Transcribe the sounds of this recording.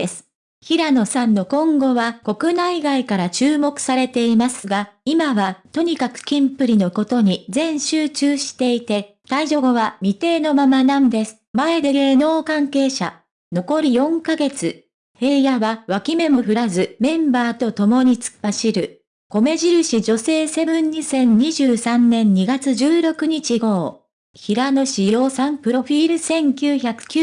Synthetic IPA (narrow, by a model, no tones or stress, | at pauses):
esɨ̥ | çiɾano̞sãnːo̞kõ̞ŋɡo̞βako̞kɯ̟naiɡaikaɾat͡ɕɨːmo̞kɯ̟̥saɾe̞t̪e̞imasɨɡaimaβat̪o̞ɲ̟ikakɯ̟̥kʲĩmpɯ̟ɾʲino̞ko̞t̪o̞ɲ̟izẽ̞ɰ̃ɕɨːt͡ɕɨːɕi̥t̪e̞it̪e̞ | k̪aiʑo̞ɡo̞βamʲit̪e̞ːno̞mamanãnd̪e̞sɨ̥mae̞d̪e̞ɡe̞ːno̞ːkãŋke̞ːɕa̰ | no̞ko̞ɾʲijõ̞ŋkaɡe̞t͡sɨ | he̞ːjaβaβakʲime̞moɸɯ̟ɾazɨmẽ̞mbaːt̪o̞t̪o̞mo̞ɲ̟it͡sɨ̥paɕiɾɯ̟ | ko̞me̞ʑiɾɯ̟ɕid͡ʑo̞se̞ːse̞bɯ̟̃ɲ̟ːisẽ̞ɲ̟ɲiʑɨːsãnːẽ̞ɲ̟ɲiɡat͡sɨʑɨːɾo̞kɯ̟ɲ̟it͡ɕiɡo̞ː | çiɾano̞ɕijo̞ːsãmpɯ̟ɾo̞ɸʲiːɾɯ̟sẽ̞ŋkʲɨːçakɯ̟̥kʲ